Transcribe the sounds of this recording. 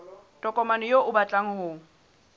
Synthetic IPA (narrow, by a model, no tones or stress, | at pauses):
tʼɔkʼɔmanɔjoʔʊbat͡ɬʼaŋ̩hʊːŋ̩